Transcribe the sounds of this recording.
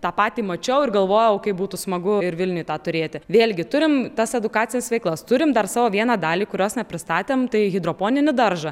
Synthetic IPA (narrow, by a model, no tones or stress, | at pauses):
t̪ɑːpɑːt̪ʲiːmɐt͡ʃʲɛʊɪrɡɐlˠʋoːjɛʊkɐɪpbuːt̪ʊsmɐɡʊɪɾʋʲɪlʲnʲʊːjt̪ɑːt̪ʊɾʲeːt̪ʲɪʋʲeːlʲɡʲɪt̪ʊɾʲɪmt̪ɐsɛd̪ʊkɑːtt͡sʲɪnʲɪsʋʲɛɪklˠɐst̪ʊɾʲɪmd̪ɐrsɑːʋoːʋʲiɛnɑːd̪ɑːlʲiːkʊɾʲoːsnʲɛpʲɾʲɪst̪ɑːt̪ʲeːmt̪ɐɪɣʲɪd̪ɾoːpoːnʲɪnʲɪd̪ɐɾʒɐ